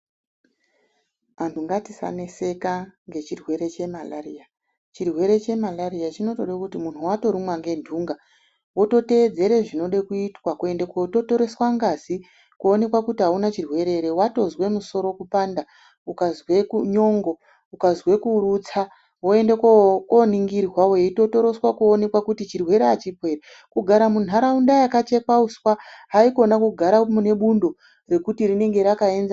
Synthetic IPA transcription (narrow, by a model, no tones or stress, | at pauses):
antʰuŋɡatisa̰nese̞kaŋɡe̞t͡ʃirwe̞ɾe̞t͡ʃe̞malaria | t͡ʃirwe̞ɾe̞t͡ʃe̞malaɾiat͡ʃino̞to̞ɗakutimun̤uwato̞ɾimwaŋɡe̞ndʱuŋɡa | wo̞to̞te̞ːd͡ze̞ɾeʐino̞ɗekuitwakue̞ndekato̞to̞ɾe̞swaŋɡazi | kuone̞kwakutiɦaunat͡ʃirwe̞ɾe̞ɾewato̞zwe̞muso̞ɾo̞kupanda | ukazwekuɲo̞ŋɡo | ukazwe̞kurut͡sa | woe̞ndekwaokoniŋɡirwawoeito̞to̞ɾo̞swakuone̞kwakutit͡ʃirwe̞ɾeat͡ʃipwe̞ɾe | kuɡʱaɾamun̤aɾaundajakat͡ʃe̞kauswaɦaiko̞nakuɡʱaɾamune̞ɓundo̞ | re̞kutirine̞ŋɡe̞ɾakae̞nza